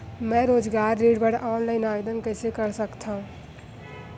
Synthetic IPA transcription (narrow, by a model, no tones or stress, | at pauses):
mɛ̃ɾoːd͡ʒɡaːɾːiːɽbəɽʔaːnlaɪnaːʋed̪ənkəɪsekəɾsəkt̪ʰaɦũ